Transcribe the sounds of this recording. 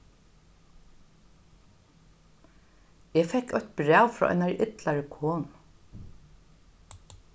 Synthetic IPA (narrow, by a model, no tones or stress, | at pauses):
ɛːfɛhkɔçt̪bɾæːwfɾɔ̰ʔɔ̰naɹʔɪt̪laɹəkʰoːn